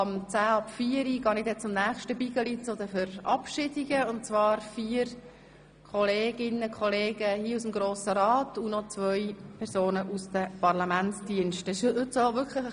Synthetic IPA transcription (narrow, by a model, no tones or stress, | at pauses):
ɑmt͡sæːɑpfiːəɾiɡ̥ɑːnɪdɛt͡sʊmnæːχʃtəbiɡəlit͡sod̪əfʏɾɑpʃɪdiɡ̥əʊnt̚t͡svɑːɾfiːəɾ | kʰɔleːɡ̥ɪnəkʰχɔleːɡəhiːusmɡɾoːsəɾɑːtunɔt͡svœjpʰɛɾsoːnəʔusd̥əpɑʁlɑmæntt͡sd̥iənʃtɪʃhɵtsovʏkʰχləχ